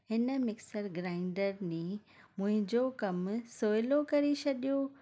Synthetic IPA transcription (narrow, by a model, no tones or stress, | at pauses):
ɦɪnə̆mɪksəɾɡɾaːɪ̃ɳɖəɾnẽ | mʊ̃ɦɪ̃ɲd͡ʑokɐmsoːjlokɐɾit͡ɕɐɗijo